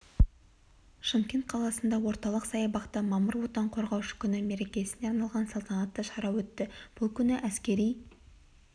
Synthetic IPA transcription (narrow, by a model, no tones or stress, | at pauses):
ʃəmkʲe̞nt̪̚qʰɑlˠɑsənd̪ɑwo̞ɾt̪ɑlˠəqsɑjəbɑqt̪əmɑməɾwot̪ɑɴqʰo̞ɾʁɑwʃə̥kʲʰʏnɪme̞ɾe̞kʲe̞sɪneɑɾnɑlˠʁɑnsɑlˠt̪ɑnɑt̪ːəʃɑɾɑwɵt̪ːɪb̥ʊlˠkʲʰʏnɪʔæskʲe̞ɾij